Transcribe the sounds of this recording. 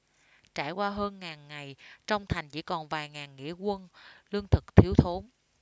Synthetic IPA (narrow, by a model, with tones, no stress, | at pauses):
t͡ɕaː˧˩jkwaː˧ɦəː˧nŋaː˨˩nŋa˨˩jt͡ɕɔ˧wŋ͡mt̪ʰa˨˩jŋ̟t͡ɕḭ˧˥kɔ˨˩nvaː˨˩jŋaː˨˩nŋḭ˧˥əkwə˧nlɨ˧əŋt̪ʰɨ˨˩k̚t̪ʰi˨˦əwt̪ʰo˨˦n